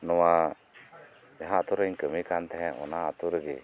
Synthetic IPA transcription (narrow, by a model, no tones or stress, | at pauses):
nɔwa | jaɦãat̪uɾəɲkəmikant̪ɛɦɛ̃ɔ̰naat̪uɾəɡɛ̰